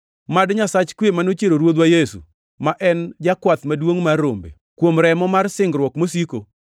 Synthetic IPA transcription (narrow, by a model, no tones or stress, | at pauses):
madɲasat͡ʃkwemanot͡ʃeɾoɾwod̪wajesṵ | maʔɛnd͡ʒakwat̪madwoŋmarːo̰mbḛ | kwomɾɛmɔmarsɪŋɡɾwɔkmosiko